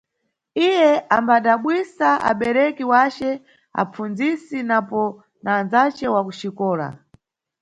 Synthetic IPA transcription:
ijɛʔambaɗaɓwisaʔa̰ɓɛɾɛkiwat͡ʃɛ | a̰p͡funzisinapɔ | nanzat͡ʃɛwakuʃikɔːla̰

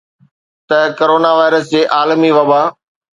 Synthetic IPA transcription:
t̪ɐkoɾoːnaʋaːɪɾəsd͡ʑeːʔaːlmiʋɐbaː

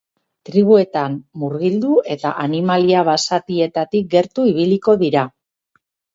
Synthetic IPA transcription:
t̪ɾiβ̞ue̞t̪amːuɾɣild̪uʔe̞t̪a̰ʔanimaliaβ̞asat̪ie̞t̪at̪ik̚ɡe̞ɾt̪uiβiliko̞ðiɾa

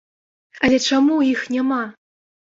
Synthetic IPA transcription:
alʲɛt͡ʂamuixnʲama

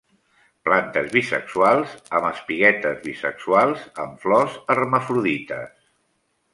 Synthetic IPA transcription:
plant̪əzβisə̰ksualˠzəməspiɣɛt̪əzβisə̰ksualˠzəɱflɔzərməfɾuðit̪əs

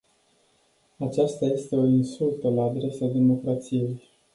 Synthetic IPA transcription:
at͡ʃast̪aje̞st̪e̞o̞insult̪əlaːd̪ɾe̞sad̪e̞mo̞kɾat̪sije̞j

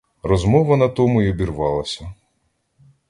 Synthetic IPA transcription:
rɔzmɔʋɐnɐt̪ɔmʊjɔbʲirʋɑlˠɐsʲɐ

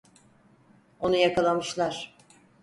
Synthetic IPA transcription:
o̞nujakʰalˠamɯʃlˠaɾ̥

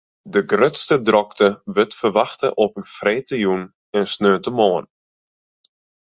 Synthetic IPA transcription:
dəɡrøtstədrɔktəʋətfərʋaxtə̰ʔɔpənfrɛjtəjun | ɛnsnøːtəmɔːən

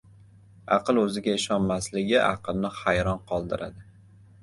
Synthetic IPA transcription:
ɑ̰qɨlˠɵzɪɡʲaɪʃɒnmaslɪɡʲɪʔɑ̰qʰɨlˠnɪhajɾɒnqʰɒlˠd̪ɪɾʔa̰d̪ɪ

